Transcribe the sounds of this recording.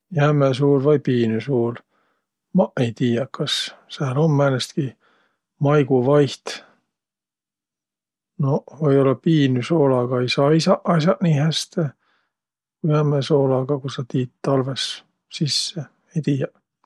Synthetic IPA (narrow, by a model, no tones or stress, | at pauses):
jæmes̬uːlvɑjpiːnysuːl | mɑejt̪iːjɑkɑssæːlo̞mːæːnest̪ki | mɑjɡuvɑjht̪ | novojo̞lːɑpiːnyso̞ːlɑɡ̥ɑejsɑːisɑʔɑsʲɑʔniːhæst̪e | kujæmeso̞ːlɑɡ̥ɑkusɑt̪iːt̪t̪ɑlve̞s | sisːe | ejt̪iːjɑ